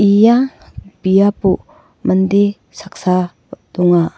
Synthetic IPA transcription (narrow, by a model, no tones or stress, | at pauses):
ijaŋbijapu | mɐnd̪e | sak̚sa | duŋa